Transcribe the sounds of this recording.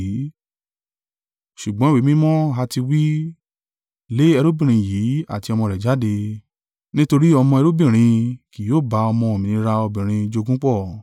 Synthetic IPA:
ʃu˨ɡ͡bɔ̃˦wi˨˦mĩ˦mɔ̃˦ɦa˧ti˧wi˦ | le˦ɛ˧ɾo˦bĩ˦˨ɾ̃ĩ˧jiː˨˦a̰˦˨ti˧ɔ˧mɔ̃˧ɾɛ˨d͡ʒa˨˦de˧ | nĩ˦to˧ɾi˦ɔ˧mɔ̃˧ɛ˧ɾo˦bĩ˦˨ɾ̃ĩ˧ki˨joː˦˨ba˧ɔ˧mɔ̃˧o˨mĩ˨nĩ˧ɾa˧ɔ˧bĩ˨ɾ̃ĩ˧d͡ʒo˧ɡũ˦k͡pɔ˦˨

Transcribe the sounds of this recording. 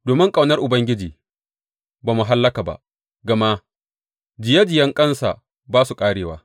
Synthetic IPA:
doː˨mɪ˦ŋkʼa˨wnɐ˦rʔʊ˨bɐ˦ŋɡʲɪ˦d͡ʒiː˨ | baː˨mʊ˨ɦa˦lːɐ˦kaː˨ba̰˨ʔ | ɡɐ˨ma˦ | d͡ʒɪ˨ja˦d͡ʒɪ˨jɐ˦ŋkʼɐ˦nsa̰˨ | baː˦su˨kʼaː˦ɽeː˨waː˦

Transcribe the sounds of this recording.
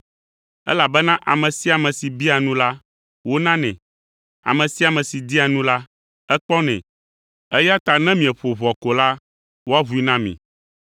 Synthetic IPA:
ɛ̰˦la˨bɛ˦nã˦ʔa˨mɛ̃˨si˦a˨mɛ̃˨si˨bi˦a˨nũ˦la˦ | wo˦nã˦nɛ̰̃˨ | a̰˨mɛ̃˨si˦a˨mɛ̃˨si˨d̪i˦a˨nũ˦la˦ | ɛ˦k͡pɔ˦nɛ̰̃˨ | ɛ˦ja˦t̪a˨nɛ̃˦mĩ˨ɛ˨ɸo˨βɔ˨ko˨la˦ | wo˦a˦βu˦i˦nã˦mḭ̃˨

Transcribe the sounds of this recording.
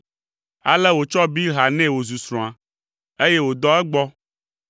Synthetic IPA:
a̰˦lɛ˦wo˨t͡ʃɔ˦bi˦ɦa˨nɛ̃˦wo˨zu˨sɾɔ̃˨a˨ | e˦je˦wo˨d̪ɔ˦ɛ˦ɡ͡bɔ˦

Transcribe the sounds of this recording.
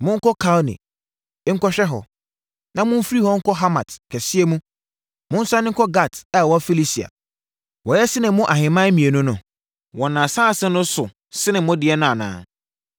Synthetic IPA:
mʊ̃˦ŋ̩˦kɔ˦kʰa˦lnḭ˨˦ | ŋ̩˦kɔ˦ɕᶣɛ˦ɦɔ̰˨ | nã˨mʊ̃˦m̩˦fɾi˦hɔ˦ŋ̩˦kʰɔ˦ɦa˦mã˨tkʰɛ˨sɪ˦e˦mũ˦ | mʊ̃˦n̩˦sa˦nɪ̃˦ŋ̩˦kʰɔ˦ɡa˨tɛ˦˨wɔ˦fi˦li˦si˨a̰˨ | wɔ˨jɛ˦sɪ˦nɪ̃˨mʊ̃˦ʔa˨ɦɪ̃˨mã˦mĩ˨e˨nʊ̃˦nʊ̃˨ | wɔ̃˨nã˨saː˦˨sɛ˦nʊ̃˦sʊ˨ | sɪ˦nɪ̃˨˦mʊ̃˦dɪ˨ɛ˦nʊ̃˦a˨nã̰ː˨˦˨

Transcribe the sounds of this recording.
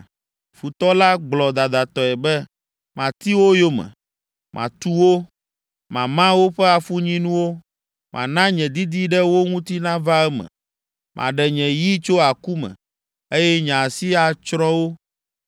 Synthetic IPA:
fu˨t̪ɔ˦la˦ɡ͡blɔ˨d̪a˨d̪a˨t̪ɔ˨ɛ˨bɛ˦ | mã˨t̪i˦wo˦jo˦mɛ̰̃˨ | mʔã̰˨t̪u˦wo˦ | mã˨mã˦wo˦ɸɛ˦a˨fu˦ɲĩ˦nũ˦wo˦ | mʔã̰˨nã˦ɲɛ̃˨d̪i˦d̪i˦ɖɛ˦wo˦ŋũ˦t̪i˦nã˦va˦ɛ˦mɛ̰̃˨ | mʔã̰˨ɖɛ˨ɲɛ̃˨ji˦t͡ʃo˦a˨ku˦mɛ̰̃˨ | e˦jɛ˦ɲã˨si˦a˨t͡ʃɾɔ̃˦wo˦

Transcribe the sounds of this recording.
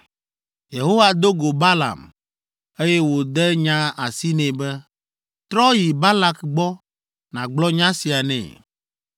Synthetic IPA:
je˨ɦo˦wa˨d̪o˦ɡo˨ba˦la̰˨m | e˦jɛ˦wo˨d̪ɛ˦ɲã˦a˨si˦nɛ̃˨bɛ˦ | t̪ɾɔ˦ji˨ba˦la˦kɡ͡bɔ˦ | nã̰˨ɡ͡blɔ˦ɲã˦si˨a˨nɛ̰̃˨

